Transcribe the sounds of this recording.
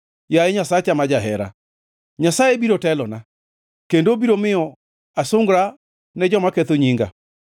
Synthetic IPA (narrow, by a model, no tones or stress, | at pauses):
jaeɲasaet͡ʃamad͡ʒaɦɛɾa̰ | ɲasaebiɾotɛlɔna | kendobiɾomɪɔ | asoŋɡɾa | ned͡ʒɔmakɛt̪oɲiŋɡa̰